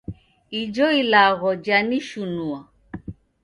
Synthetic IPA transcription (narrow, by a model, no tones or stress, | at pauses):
id͡ʒɔilaɣɔd͡ʒaniʃunua